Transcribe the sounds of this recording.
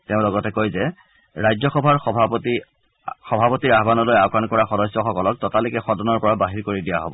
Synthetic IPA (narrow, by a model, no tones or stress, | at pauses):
teʊ̃lɔɡɔtɛkojzɛ | ɹajzɔxɔbʱaɹxɔbʱti | xɔbʱapɔtiɹaɦbanɔlojakankɔɹaxɔdɔsjɔxɔkɔlɔk̚tɔtalikɛxɔdɔnɔɹpɔɹabaɦiɹkoɹidijaɦɔbɔ